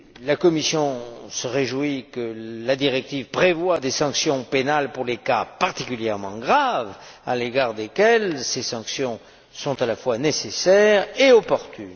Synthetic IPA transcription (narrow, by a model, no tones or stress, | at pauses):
lakɔmisjɔ̃səʁeʒwikəlad̪iʁɛk̚t̪ivpχevwad̪esɑ̃ksjɔ̃penalpuʁlekapaʁt̪ikʲyljɛʁmɑ̃ɡʁava̰leɡaʁd̪ekɛlsesɑ̃ksjɔ̃ | sɔ̃t̪alafwanesesɛʁeɔpɔʁt̪ʰy̰n